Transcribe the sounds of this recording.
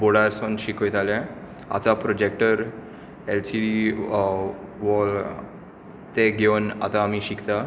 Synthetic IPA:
boɽaɾsonɕikʰojt̪alɛ̃ | a̰t̪apɾɔd͡ʑekʈəɾ | elsii | ʋɔl | t̪eɡewna̰t̪aːmiɕikʰt̪a

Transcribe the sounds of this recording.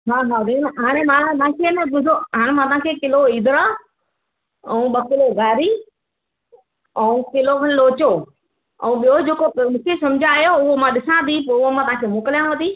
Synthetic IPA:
ɦaːɦaːd̪ẽnɦaːɽ̃ẽmãt̪ãːkʰeːnɐʊ̃t̪oɦaːɽ̃ẽmãːt̪ɐ̤̃ãːkʰekɪloiːd̪ɾa | ɛ̃ũɓɐkɪloɡaːɾi | ɛ̃ũkɪlokɐlloːt͡ɕo | ɛ̰̃ũɓijod͡ʑeːkomũːkʰesɐ̃md͡ʑʱaːjoʊɦomãɗɪsãd̪ʱip̬oʊɦomãt̪ɐʋãkʰemoːkɪlijãʋɐd̪ʱiː

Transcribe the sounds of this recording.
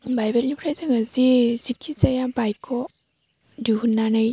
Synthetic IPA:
bajbeɾnipʰɾajzɯŋɐzizikʰːizajabajkʰɔ | duɦunːanaj

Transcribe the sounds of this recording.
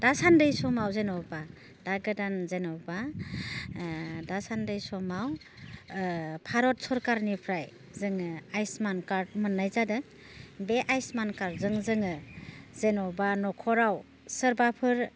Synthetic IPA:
d̥asandɯjsɔmawzenɔwba | daɡɯdanzenɔwba | dasandɯjsɔmaw | pʰaɾɔt̚sɔɾkaɾnipʰɾaj | zɯŋɯajsmankaɾt̚mɯnːajzadɯ | beʔajsmankaɾ̚zɯŋzɯŋɯzenɔbanɔkʰɔɾaw | səɾbapʰɯɾ

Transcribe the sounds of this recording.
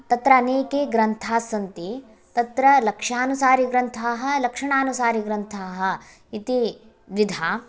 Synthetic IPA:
t̪ɐt̪ɾɐːneːkeɡɾɐnt̪ʰaːsɐnt̪i | t̪ɐt̪ɾɐlɐkʂaːnusaːɾiɡɾɐnt̪ʰaːɦɐ̆lɐkʂɐɳaːnusaːɾiɡɾɐnt̪ʰaːɦɐ̆ | it̪i | ʋid̪ʱaː

